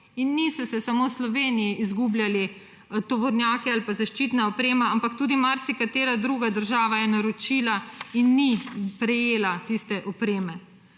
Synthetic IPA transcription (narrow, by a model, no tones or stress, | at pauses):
inːisɔsɛsamoːslɔʋeːnijiʔizɡuːbljali | t̪ɔʋɔɾnʲjaːkɛalpazaʃt͡ʃiːt̪naɔpɾeːmaampakt̪uːd̪imaɾt̪sikat̪eːɾad̪ɾuɡad̪əɾʒaːʋajɛnaɾot͡ʃiːlainːipɾɛjeːlat̪ist̪ɛʔɔpɾeːmɛ